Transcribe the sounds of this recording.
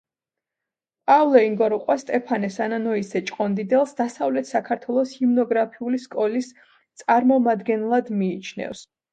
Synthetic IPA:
pʼavlˠɔiŋɡɔɾuqʼwast̪ʼɛpʰanɛsananɔisɛt͡ʃʼqʼɔnd̪id̪ɛlˠsd̪asavlɛt̪ʰsakʰaɾt̪ʰwɛlˠɔshimnɔɡɾapʰiuliskʼɔlis | t̪sʼaɾmɔmad̪ɡɛnlˠad̪miːt͡ʃʰnɛ̰fs

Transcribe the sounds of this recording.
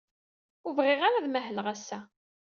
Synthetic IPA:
ʊvʁɪʁaɾaðmæɦəlʁæsːæ

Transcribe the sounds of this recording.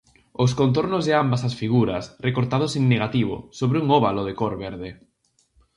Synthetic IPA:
oskont̪̬oɾnozðeambasasfiɣuɾɐsrekoɾt̪að̞oseŋneɣat̪iβo̰soβɾɪuŋoβaloð̞ekoɾβeɾðe

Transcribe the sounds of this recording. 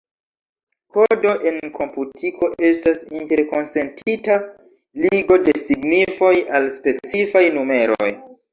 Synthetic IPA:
ko̞do̞ʔe̞nkʰo̞mputʰikʰo̞ʔe̞stasinte̞ɾko̞nse̞ntʰita | liɡo̞de̞siɡnifo̞jalspe̞t͡sifajnume̞ɾo̰j

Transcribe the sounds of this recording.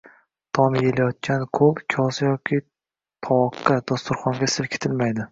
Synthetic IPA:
t̪ʰɒmjelajɒt̪̚kʲʰankʰɵpkʲʰɒsjɒkʲʰi | t̪ʰɒɒkːad̪ɒst̪ʊɾχɒŋɡʲasɪlkʲʰe̥t̪ʰɪlmajd̪ɪ

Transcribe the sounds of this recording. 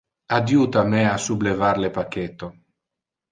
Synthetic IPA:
ad̪juːt̪ameasublevaɾlepaket̪ːo

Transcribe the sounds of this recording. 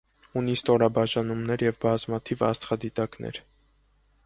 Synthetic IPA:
unist̪ɔɾɑbɑʒɑnumnɛɾjɛvbɑzmɑt̪ʰivɑ̰st͡s̪χɑd̪it̪ɑknʔɛ̰ɾ

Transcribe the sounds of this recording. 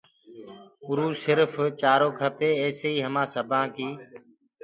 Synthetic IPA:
ʊɾuːsɪɾft͡ʃaːɾoːkʰəpeːeːseːiːɦəmãːsəbʱãːkiː

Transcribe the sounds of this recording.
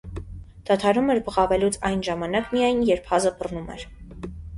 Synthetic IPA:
d̪̥ɑt̪ʰɑɾumɛɾbəʁɑvɛlut͡sʰɑjnʒɑmɑnɑkmijɑjnjɛɾpʰhɑzəbərnumɛ̰ɾ

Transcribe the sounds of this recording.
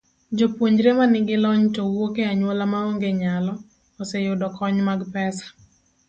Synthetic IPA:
d͡ʒopwoɲd͡ʒɾemanɪɡɪlɔɲtowokeaɲwolamaoŋɡeɲalɔ | ɔsɛjʊdɔkʰɔɲmaɡpɛsḁ

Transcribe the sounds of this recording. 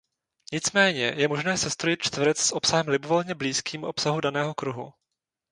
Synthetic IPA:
ɲɪt͡smɛːɲɛjɛmoʒnɛːsɛst̪ɾojɪt̪̚t͡ʃt̪vɾɛt͡ssʔo̞psaɦɛmlɪbovolɲɛbliːskiːmuʔopsaɦudanɛːɦo̞kɾuɦṵ

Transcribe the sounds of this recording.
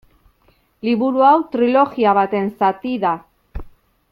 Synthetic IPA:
liβuɾuawt̪ɾilo̞ɣiaβ̞at̪e̞nsat̪iða

